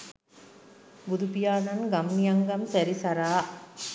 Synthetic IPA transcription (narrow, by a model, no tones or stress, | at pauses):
bʊðupijaːnɐnɡɐmnijɐŋɡɐmsɐɾisɐɾaː